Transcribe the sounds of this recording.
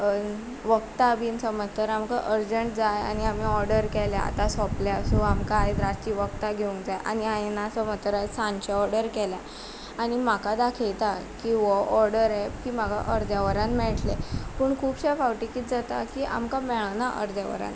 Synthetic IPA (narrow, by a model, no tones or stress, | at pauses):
ʋəkt̪abiːnsəmət̪əɾamkaʔəɾd͡ʑəɳʈ̚d͡zaja̰ñiamiɔɾɖəɾkɛla̰a̰t̪asɔplasuamkaajt̪ɾat͡ɕiːʋək̚t̪aɡʱeũŋkd͡zajʔa̰ñiajenasəmət̪ːəɾajsãɲt͡ɕeɔɾɖəɾkɛlja | añim̤akad̪akʰejt̪akiʋɔɔɾɽəɾekiːm̤aɡa̰ʔəɾd͡zjaʋəɾanmɛɭʈlepəːɳkʰuːbɕafawʈikit̪̚d͡zat̪akiːʔa̰mkamɛɭənaʔə̰ɾd͡zjaʋə̰ɾã̰n